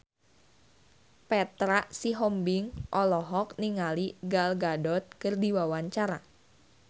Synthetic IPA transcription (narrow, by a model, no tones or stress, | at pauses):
pɛt̪ɾaʔsiɦɔmbɪŋʔɔlɔɦɔk̚niŋaliɡalɡadɔt̪̚kɨrdiwawaɲt͡ʃaɾa